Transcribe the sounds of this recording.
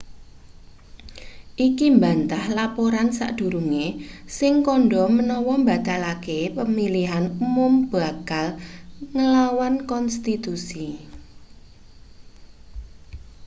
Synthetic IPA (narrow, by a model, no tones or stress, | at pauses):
ʔikimbant̪ahlapoɾansa̰ʔd̪̥ṳɾuŋesɪŋkɔɳɖɔmənɔwɔmba̤t̪alakepəmiliɦanumʊmb̥a̤kalŋəlawankɔnst̪it̪usi